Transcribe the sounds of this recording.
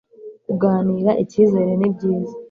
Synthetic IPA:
kuɡaːniːɾaʔiciːze̞ɾenibɟiːza

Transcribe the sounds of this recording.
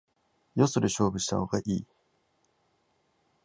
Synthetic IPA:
jo̞so̞ɾeɕo̞ːbɯ̟ɕi̥t̪a̰ho̞ɡaʔiː

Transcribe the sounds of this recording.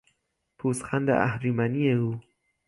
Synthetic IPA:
pʰuːsxænd̪ḛʔæ̰hɾimænieuː

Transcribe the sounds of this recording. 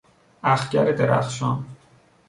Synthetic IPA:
æxɟæɾed̪eɾæ̰xʃɒn

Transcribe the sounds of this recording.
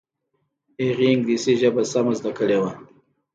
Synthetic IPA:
eɣiŋɡd̪iseʒəbasamazd̪akəlewa

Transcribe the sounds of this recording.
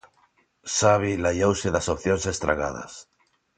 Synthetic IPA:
saβ̞ilaʎowseðasopθjonsest̪ɾa̰ɣa̰ð̞a̰s

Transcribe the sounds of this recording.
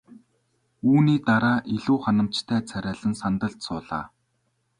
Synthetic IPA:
uːniːt̪aɾaːʔiɮuːχanə̆m̥t͡ɕt̪ʰæːt͡sʰæɾʲæːɮə̆nsant̪ə̆ɮt̪sʊːɮa̰ː

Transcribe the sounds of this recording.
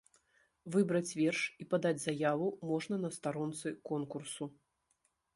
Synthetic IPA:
vɨbɾɐt͡sʲvʲɛrʂipad̪ad͡zʲzajavumɔʐnɐnɐst̪aɾɔnt̪sɨkɔnkursu

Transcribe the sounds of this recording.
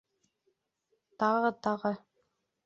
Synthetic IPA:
t̪ɑʁɤt̪ɑʁɤ

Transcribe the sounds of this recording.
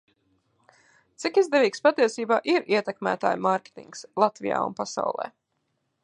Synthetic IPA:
t̪sikizd̪ɛviːkspat̪iɛsiːbaːʔiɾiɛt̪ɛkmæ̰ːt̪a̰ːjmaɾkʲe̥t̪ḭŋkslˠat̪vḭja̰ːṵnpasa̰wlˠɛ̰ː

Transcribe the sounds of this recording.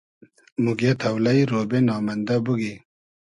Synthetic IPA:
muɡet̪ʰɐwlɐjɾoːbenɑːmɐnd̪abuɡi

